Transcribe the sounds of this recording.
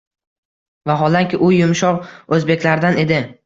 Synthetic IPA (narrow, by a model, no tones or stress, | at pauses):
vaɦɒlˠaŋkʲɪʔʊjʊmʃɒqɵzbe̞kʲlaɾd̪ane̞d̪ɪ